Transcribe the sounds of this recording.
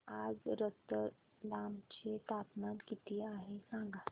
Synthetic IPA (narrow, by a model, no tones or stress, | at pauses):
ad͡zɾət̪ə | lamt͡ɕet̪apnãt̪kit̪iaɦesãŋɡa